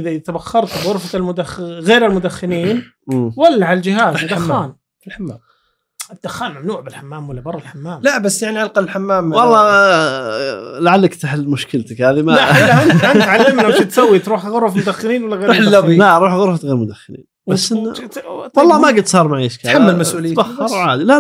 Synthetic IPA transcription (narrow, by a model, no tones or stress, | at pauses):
ʔɪðat̪abaxːɑɾˤt̪ɣʊɾfalmʊd̪axɣeːɾɪlmʊd̪axːɪniːn | walːaʕalald͡ʒɪhaːzd̪axaːn | lħamːa | ɪd̪̥ːʊxːaːnmamnuːʕbɪlħamːaːmwalːabɑrˤːɑlħamːaːmlabasːjaʕniʔalqɑɪlħamːaːmwɑlˤːɑː | laʕalːakt̪ɪħɪlmʊʃkɪlt̪akhaːðimalahanant̪ʕalːɪmnʔat̪it̪sawːit̪ɾuːħɣʊɾˤɑfmʊd̪axːɪniːnwalːaɣeːɾlːabilaɾˤuːħɣʊɾfat̪ɣeːɾmʊd̪axːɪnḭːnbasːn | wɑlˤːɑːmaɡɪt̪sˤɑːɾˤmaʕiːʃkaħamːalmasʔuːlɪːɑxːɑɾˤwʕaːd̪ila